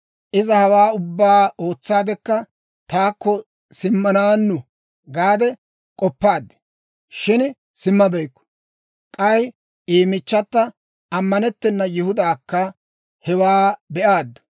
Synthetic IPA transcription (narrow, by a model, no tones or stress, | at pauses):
ʔɪzɐhɐwaːʊbːaːʔoːt͡sːaːd̪ɛkːɐ | t̪aːkːɔ | sɪmːɐnaːnːʊ | ɡaːd̪ɛ | kʼɔpːaːd̪ːɛ̥ | ʃɪn | sɪmːɐbɛjkːɔ̥ | kʼɐj | iːmɪt͡ʃːɐt̪ːɐ | ɐmːɐnɛt̪ːɛnːɐjɪhʊd̪aːkːɐ | hɛwaːbɛʔaːd̪ːʊ̥